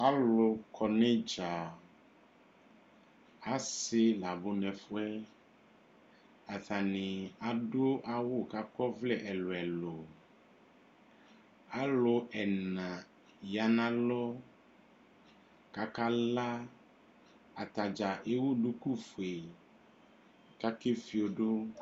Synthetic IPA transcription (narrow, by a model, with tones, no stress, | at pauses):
a˦lo˨kʰɔ˨nɛ̃˦d͡ʒa˨ | a˦se˦la˨bo˨nɛ̃˨fo˦ɛ˦ | a˨θa˨nẽ˨a˨ɖo˦ʔa˦wo˦ka˦kɔ˦vlɛ˦ʔɛ˨lo˨ɛ˨lo˨ | a˦lo˨ʔɛ˨nnã˨ | ja˨nã˦lɔ˦ | ka˦ka˦la˦ | a˨t̪a˨d͡ʒa˨ʔe˦wu˦ɖu˦ku˦fo˨e˨ | ka˦ke˦fi˨o˨ɖo˦